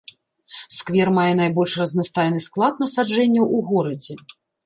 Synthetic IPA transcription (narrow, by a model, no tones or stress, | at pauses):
skvʲɛrmajɛnajbɔlʲʂrɐznast̪ajnɨsklˠat̪nɐsad͡ʐɛnʲːɐʔuɣɔɾɐd͡zʲɛ